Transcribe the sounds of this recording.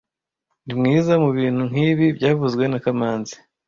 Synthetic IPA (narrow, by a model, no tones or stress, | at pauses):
nimŋiːzamuβiːn̥uŋ̥iːβibɟaːvuzɡwe̞nakamaːnzi̥